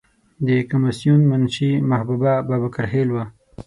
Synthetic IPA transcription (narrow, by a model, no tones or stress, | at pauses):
d̪əkamɪsjunmanʃimahbubabɑːbakaɾhelwa